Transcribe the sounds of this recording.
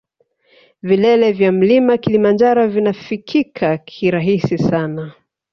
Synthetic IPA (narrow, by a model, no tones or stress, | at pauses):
vilɛlɛvjam̩limakilimand͡ʒaɾɔvinafikʰikʰakʰiɾaɦisisana